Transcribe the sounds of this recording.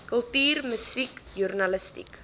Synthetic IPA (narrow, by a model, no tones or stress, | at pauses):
kəlˠtyːrməsikjurnɐləstḭk